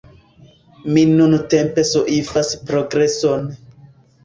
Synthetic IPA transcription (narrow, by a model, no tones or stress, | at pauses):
minunute̞mpe̞soʔifaspɾoɡɾe̞son